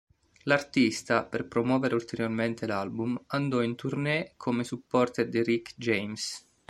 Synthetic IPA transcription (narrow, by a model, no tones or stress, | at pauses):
lart̪ist̪aperpɾomwɔːveɾeult̪eɾjorment̪elalbumand̪ɔint̪urnɛkʰomesupːɔrt̪ed̪iɾikd͡ʒejms